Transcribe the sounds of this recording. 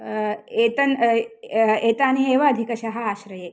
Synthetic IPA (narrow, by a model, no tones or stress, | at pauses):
eːt̪ɐn | eːt̪aːnieːʋɐːd̪ʱikɐʃɐɦɐaːʃɾɐjeː